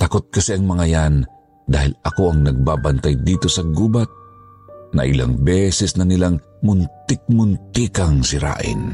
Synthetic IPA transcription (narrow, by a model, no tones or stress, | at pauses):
t̪ɐkot̪̚kɐsɛɐŋmɐŋajan | d̪a̰ːhɪlɐko̞ʔɐŋnɐɡ̚baːbɐnt̪ajd̪iːt̪o̞sɐɡuːbat̪̚ | nɐ̰ʔɪla̰ŋbɛsɛsnɐnɪlaŋ | mʊnt̪ɪk̚mʊnt̪ikɐŋsɪɾa̰ːʔɪ̰n